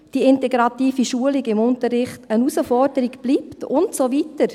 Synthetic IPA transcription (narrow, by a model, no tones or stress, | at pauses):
d̥iɪntɛɡɾɑtiːfiʃuəliɡɪmʊntəɾːɪχtənusəfɔɾdəɾiɡb̥liːptʊntsovitəɾ